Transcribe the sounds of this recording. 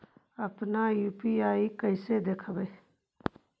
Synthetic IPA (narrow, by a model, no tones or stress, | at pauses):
əpnajuːpiaːikəɪsed̪eːkʰbeː